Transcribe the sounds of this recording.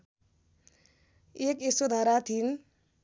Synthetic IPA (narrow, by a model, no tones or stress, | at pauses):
ekesod̪ʱaɾat̪ʰin